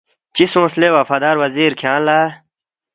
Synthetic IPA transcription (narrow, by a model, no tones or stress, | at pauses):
t͡ɕisõːslewafad̪aːɾwɐziːɾkʰãːnlaː